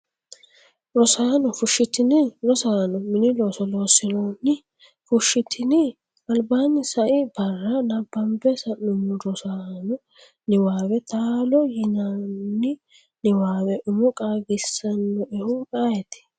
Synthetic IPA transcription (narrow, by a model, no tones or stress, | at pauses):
ɾɔsaːnɔfʊʃːɪt̪ɪnɪɾɔsaːnɔmɪnɪloːsɔloːsɪnonːɪ | fʊʃːɪt̪ʰɪnɪ | ɐlbaːnːɪsɐʔɪbɐrːɐnɐbːɐmbɛsɐnʊmʊɾɔsaːnɔ | nɪwaːwɛt̪aːlɔjɪnanːɪ | nɪwaːwɛʔʊmʊkʼaːɡɪsːɐnːɔʔɛhʊkʼaːjɛt̪ɪ̥